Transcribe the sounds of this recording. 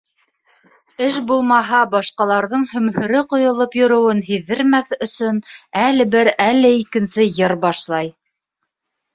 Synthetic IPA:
ɘʃbulˠmɑɦɑbɑʃqɑlˠɑɾðɤɴhɵ̆mhɵ̆ɾɘqŏjŏlˠɤpjŏɾɤ̆wɤnɦiðːɘ̆ɾmæθɵ̆sɵnælɘ̆bɘɾælːɘikɘ̆nsɘjɤɾbɑʃlˠɑj

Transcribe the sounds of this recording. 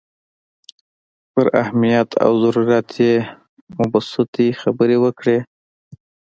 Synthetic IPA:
pəɾahmijat̪ʰa̰wzaɾuɾjɑt̪ʰje | mʊbasɪt̪ixabəɾewəkɽe

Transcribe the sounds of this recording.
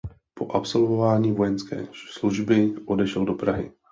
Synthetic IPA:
po̞ʔapso̞lvovaːɲiːvo̞jɛnskɛ̰ːsluʒbɪʔo̞dɛʃɛldo̞pɾaɦɪ̰

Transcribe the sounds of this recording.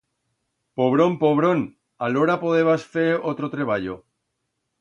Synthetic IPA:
poβ̞ɾompoβ̞ɾon | aloɾapoðe̞β̞asfeɾot̪ɾot̪ɾe̞β̞aʎo

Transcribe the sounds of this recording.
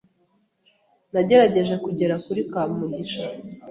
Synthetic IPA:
naɟe̞ɾaɟe̞ʒe̞kuɟe̞ɾakuɾikaːmumuɟiʃa

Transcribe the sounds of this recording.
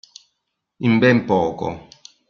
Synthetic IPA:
imbɛmpɔːkɔ̰

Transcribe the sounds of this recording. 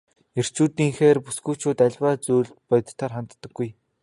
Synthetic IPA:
er̥t͡ɕuːt̪iːŋxeːrpusɡuːt͡ɕʰʊːt̪æɮʲwaːt͡suːɮt̪pɔjt̪t̪ʰːaːrχant̪ːə̆ɡːuj

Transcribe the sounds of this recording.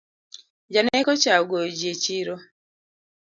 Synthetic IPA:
d͡ʒanɛkɔt͡ʃaɡod͡ʒet͡ʃiɾo

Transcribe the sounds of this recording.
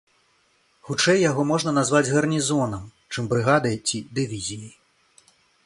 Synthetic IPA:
xut͡ʂɛjːaɣɔmɔʐnɐnazvad͡zʲɣɐrnʲizɔnɐm | t͡ʂɨmbɾɨɣad̪ɐjt͡sʲid̪ɨvʲizʲijɐj

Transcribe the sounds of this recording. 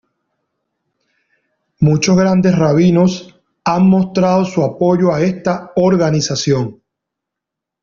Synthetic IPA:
mut͡ʃo̞sɣɾand̪e̞sraβino̞s | aŋmo̞st̪ɾaðo̞suapo̞ʝo̞ae̞st̪aoɾɣanisasjo̞ŋ

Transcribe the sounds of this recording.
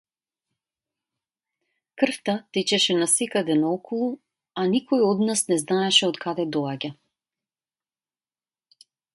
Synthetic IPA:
kr̩ft̪at̪ɛt͡ɕɛʃɛnasɛkad̪ɛnaɔkʰɔlˠu | anikɔjɔd̪nasnɛznaɛʃɛɔt̪kad̪ɛd̪ɔaɟa

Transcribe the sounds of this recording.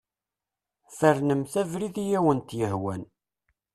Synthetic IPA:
fəɾnəmθævɾiðijæwənt̪jəhwæn

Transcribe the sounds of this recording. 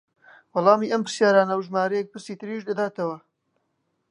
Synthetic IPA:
wɑlˠɑːmiːʔɐmpɨɾsjaːɾaːnɐwʒmaːɾɐjɛk̚pɨɾsiːt̪ɨɾiːʒd̪ɐd̪aːt̪ɐwɐ

